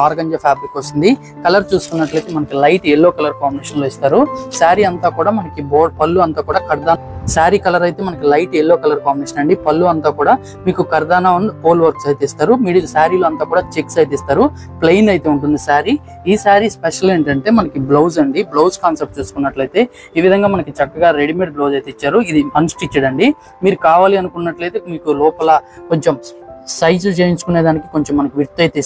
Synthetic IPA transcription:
aːɾɡɐɲd͡ʒɐpʰaːbɾikosind̪i | kɐlɐɾt͡ʃuːsu̥kunːɐʈlɐjt̪eːmɐnɐkilɐjʈɛlːoːkɐlɐɾkaːmbineːʂɐnloːist̪aːɾusaːɾiɐnt̪aːkuːɽaːmɐnɐkiboːpɐlːuɐnt̪aːkuːɽaːkɐɾd̪aːn | saːɾikɐlɐɾɐjt̪e̞ːmɐnɐkilɐjʈɛlːoːkɐlɐɾkaːmineːʃɐnɐɳɖipɐlːuɐnt̪aːkuːɽaː | miːkukɐɾd̪aːnaːunpoːlʋɐɾksɐjt̪eist̪aːɾumiɽilusaːɾiloɐnt̪aːkuːɽaːt͡ʃiksɐjt̪ist̪aːɾu | plejnɐjt̪e̞ːuɳʈund̪isaːɾi | iːsaːɾispeʂɐle̞ːɳʈɐɳʈe̞ːmɐnɐkiblowzɐɳɖiblowskaːnsep̚ʈ̚t͡ʃe̞ːsu̥kunːɐʈlɐjt̪e̞ː | iːʋid̪ʱɐŋɡaːmɐnɐkit͡ʃɐkːɐɡaːɾeɽimeːʈ̚bloːd͡ʒɐjt̪eit͡ʃːaːɾuid̪imɐnsʈit͡ʃːɐɽɐɳɖi | miːɾukaːʋaːliɐnukunːɐʈlɐjt̪e̞ːmiːkulɔːpɐlɐkoɲt͡ʃemsɐjd͡ʒt͡ʃeːjiɲt͡ʃu̥kune̞ːd̪aːnikikoɲt͡ʃemːɐnɐkiʋiɾt̪ːɐjt̪e

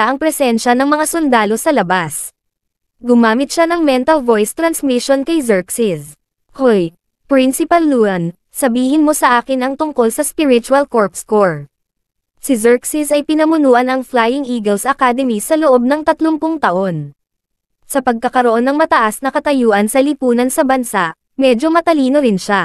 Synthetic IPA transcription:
aʔɐŋpɾɛsɛnʃɐnɐŋmɐŋasʊnd̪aːlo̞sɐlɐbas | ɡʊmaːmɪt̪̚ʃanɐŋmɛnt̪ɐlvo̞jst̪ɾɐnsmiʃonkɐjzɛɹksɪs | hoj | pɾɪnsɪpɐlːuɐn | sɐbiːhɪnmo̞sɐʔaːkɪnɐŋt̪ʊŋko̞lsɐspɪɾɪt͡ʃʊɐlkoɹpskoɹ | sɪzɛɹksɪsɐjpɪnɐmʊnuːʔɐnɐŋflajɪŋʔiːɡɐlsʔɐkad̪ɛmisɐloʔo̞b̚nɐŋt̪ɐt̪loŋpʊŋt̪ɐʔo̞n | sɐpɐɡ̚kɐkɐɾoʔo̞nːɐŋmɐt̪ɐʔasnɐkɐt̪ɐjuːʔɐnsɐlɪpuːnɐnsɐbɐnsaʔ | mɛd͡ʒo̞mɐt̪ɐliːno̞ɾɪnʃa

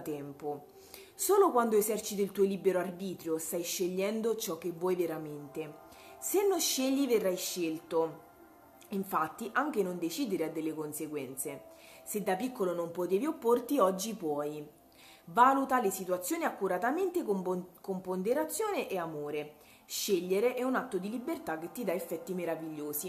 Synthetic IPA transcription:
t̪ɛmpo | soːlokwand̪oezɛrt͡ʃit̪oilt̪uolibːeɾoarbiːt̪ɾjost̪ajʃːeʎːɛnd̪ot͡ʃɔk̟ːevːwɔjveɾament̪e | senːoʃːeʎːiverːajʃːelt̪o | iɱfat̪ːiʔaŋk̟enond̪et͡ʃiːd̪eɾead̪ːelːekonseɡwɛnt̪se | sed̪ːapikːolonompot̪eːviopːort̪iɔd͡ʒːipwɔj | vaːlut̪alesit̪wat̪sːjoːniakːuɾat̪ament̪ekompond̪eɾat̪sːjoːneʔeamoːɾe | ʃeʎːeɾeʔɛunat̪ːod̪ilibert̪akːet̪ːid̪aefːɛt̪ːimeɾaviʎːoːsi

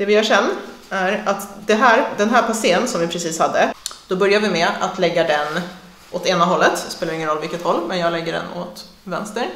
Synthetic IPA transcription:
d̪̥ɛvɪhaʂɛnː | æɾat̪d̪ɛɦæːɾd̪ɛnɦæːpʰaseːənsɔmvɪpʰɾɛsiːshad̪ːəd̪̥ɔbœɾjaɾvɪmɛa̰t̪lɛɡːad̪ɛn | ʔɔt̪eːnaɦɔlːət̪speːlaɾɪŋːənɾɔlːvɪlkət̪hɔlːmɛnjɑːɡlɛɡːəɖɛ̰no̰t̪ | vɛ̰nst̪əɾ

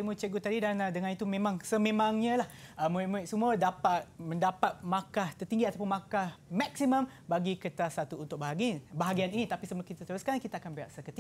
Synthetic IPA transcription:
imut͡ʃəɡut̪adidanadəŋanit̪umẽmãŋsəmẽmãŋɲə̃lahəmuiʔmũɪʔsumũədapat̪̚mə̃ndapat̪̚mãkaht̪ərt̪iŋɡiat̪awp̬ʊnmãkahmak̚siməm | baɡikət̪asat̪uːnt̪ʊk̚baɦaɡinbaɦaɡianinĩt̪apisəbəlakit̪at̪əɾuskankit̪aːkanbiaʔsəkət̪i

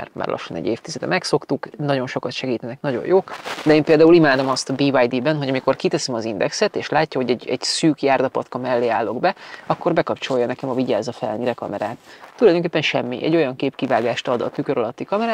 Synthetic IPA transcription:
a̰rma̰ːrlʔɒ̰ʃːonɛ̰ɟːeːft̪izɛd̪ɛ̰mɛkso̞kt̪uknɒɟo̞nʃo̞kɒt̪ʃɛɡiːt̪ɛnɛknɒɟo̞̰joːkd̪ɛeːmpeːld̪aːulimaːd̪o̞mɒst̪ɒbiːvajd̪ibɛnɦo̞ɟɒmiko̞rkit̪ɛsɛmɒzind̪ɛksɛt̪eːʃlaːcːɒɦo̞ɟɛɟɛɟsyːkjaːrd̪ɒpɒt̪kɒmɛlːeːaːlːo̞ɡbɛɒkːo̞rbɛkɒpt͡ʃo̞jːɒnɛkɛmɒviɟaːzɒfɛlniɾɛkɒ̰mɛɾaːt̪ːulɒjd̪oŋkeːpːɛnʃɛmːiʔɛ̰ɟo̞jɒŋkeːpkivaːɡaːʃt̪ɒd̪ɒ̰t̪ykø̞ɾɒlɒt̪ːikɒmɛɾaː

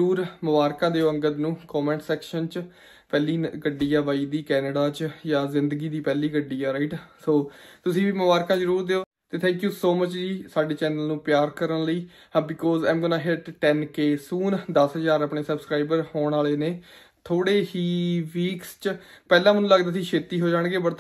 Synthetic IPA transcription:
ɾuːɾmʊbaːɾkãːd̪eːoːə̃ŋɡət̪nũːkɔːmɛ̃ːɳʈsɛːkʃənt͡ʃ | pɛːliːɡəɖːiːaːʋaːiːd̪iːkɛːnəɖaːt͡ʃjaːzɪnd̪əɡiːd̪iːpɛːliːɡəɖːiːaːɾaiʈsoːt̪ʊsĩːʋiːmʊbaːɾkãːzəɾuːɾd̪eːoː | t̪eːt̪ʰɛ̃ːŋkjuːsoːmət͡ʃd͡ʒiːsaːɖeːt͡ʃɛːnəlnũːpjaːɾkəɾənləiː | bɪkɔːzãːmɡɔːnaːɦeʈʈɛːnkeːsuːnd̪əsɦəzaːɾapɳeːsəbskɾaːɪbəɾhoːɳaːleːneː | t̪ʰoːɽeːɦiːʋiːkst͡ʃpɛːlãːmənũːləɡd̪aːsiːʃʰeːt̪iːɦoːd͡ʒaːɳ̃ɡeːbəɾt̪ʰ

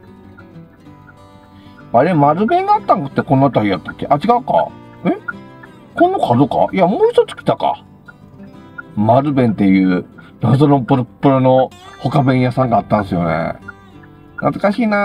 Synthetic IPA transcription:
aɾe̞maɾɯ̟bẽ̞ŋɡaːt̪ːãŋkḁt̪ːekõ̞nːoat̪ːaɾʲijat̪ːakʲːeʔat͡ɕiɡaɯ̟ka̰ | e̞ | kõ̞nːokʰad̪oka̰iamoːçi̥t̪ot͡sɨ̥kʲi̥t̪aka̰ | maɾɯ̟bẽ̞nt̪e̞jɯ̟ːnazoɾõmpɯ̟ɾopːɯ̟ɾɯnoho̞kabẽɰ̃jasãŋɡaːt̪ːãɰ̃sɨjo̞nḛ | nat͡sɨ̥kaɕiːna

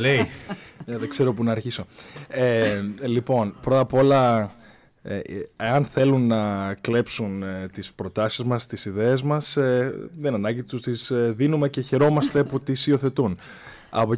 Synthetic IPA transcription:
lej | ðeɡ̥se̞ɾo̞punɐːɾçiso̞elipo̞npɾo̞t̪ɐpo̞lɐ | eeɐnθe̞lunːɐkle̞psunt̪ispɾo̞t̪ɐsizmɐst̪isiðe̞ːzmɐsðenɐnɐɟit̪ust̪isðinume̞ce̞çe̞ɾo̞mɐst̪e̞put̪isio̞θe̞t̪un | ɐ̰po

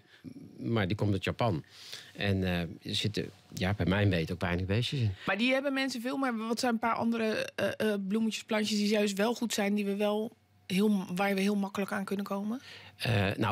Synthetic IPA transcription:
maɹdikɔmtɔtjapɔnɛnəsɪtə̰jabɛmɛjʋejtokʋɛjnəɣbeːsəsɪnmaɹdiɦɛbənmɛnsəvɪːlˠmɪʋɔtsɛjnəpaːɹʔɔ̰ndəɾə | blumətjəsplanjəsdijœɥstʋɛlˠxutsɛjndiʋəʋɛlˠ | ɦɪəlˠʋaːɹʋəɦiəːlˠmɔkələkaːnkɵnəkʰoːmə | no

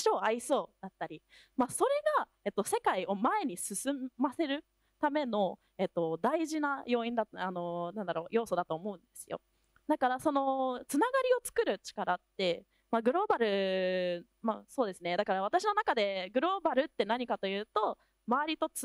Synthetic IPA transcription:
ɕo̞ːaiso̞ːd̪at̪ːaɾʲi | maso̞ɾe̞ɡa | e̞t̪ːo̞se̞kaio̞mae̞ɲ̟isɨsɨmase̞ɾɯ̟ | t̪ame̞no̞ | et̪ːo̞d̪aiʑinajo̞ːĩnd̪aano̞nãnd̪aɾo̞ːjo̞ːso̞d̪at̪o̞ːmo̞ɯ̟̃nd̪e̞sɨjo̞̰ | d̪akaɾaso̞no̞t͡sɨnaɡaɾʲio̞t͡sɨ̥kɯ̟ɾɯ̟t͡ɕi̥kaɾat̪ːe̞ | maɡɯ̟ɾo̞ːbaɾɯ̟ | maso̞ːd̪e̞sɨne̞d̪akaɾaβ̞at̪aɕino̞nakad̪e̞ɡɯ̟ɾo̞ːbaɾɯ̟t̪ːe̞naɲ̟ikat̪o̞jɯ̟ːt̪o̞ | maβaɾʲit̪o̞t͡s

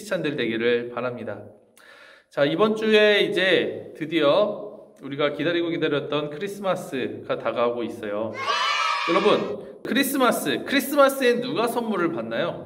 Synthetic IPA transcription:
i̥t͡ɕʰandeɭde̞ɡiɾɯɭpaɾamɲida | t͡ɕaibʌnt͡ɕ͈ue̞id͡ʑe̞tɯdiʌuɾiɡakidaɾiɡokidaɾjʌt̚t͈ʌnkʰɯɾis͈ʰɯmas͈ɯɡ̥ataɡaɦɡois͈ʌjo | jʌɾʌbɯn | kʰɯɾis͈ɯmas͈ɯkʰɯɾis͈ʰɯmas͈ʰɯenːuɡasʰʌnmːuɾɯɭpanːajo

